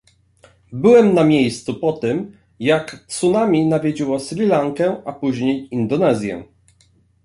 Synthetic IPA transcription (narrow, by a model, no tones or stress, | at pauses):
bɘwɛmnamʲejst̪supɔt̪ɘm | jakt̪sunamʲinavʲjed͡ʑiwɔslʲilaŋkɛ̃ʔapuʑɲejind̪ɔnɛzʲjɛ̰